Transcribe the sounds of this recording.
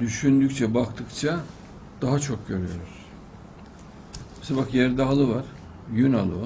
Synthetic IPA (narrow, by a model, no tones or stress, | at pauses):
d̪yʃynd̪ycʲt͡ʃʰɛbakt̪ʰɯkt͡ʃʰa | d̪̥aɦat͡ʃʰo̞k̚ɟø̞ɾyjo̞̰ɾuz̥ | asɛbakjæɾd̪aːlˠɯvaɾ̥ | jyna̰lˠɯ̰va